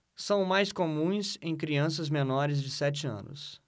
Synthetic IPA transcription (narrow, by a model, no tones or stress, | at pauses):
sɐ̃w̃majskomũj̃sẽj̃kɾiɐ̃sɐzmenɔɾɪzd͡ʒɪsɛt͡ʃɪɐ̰̃nʊ̰s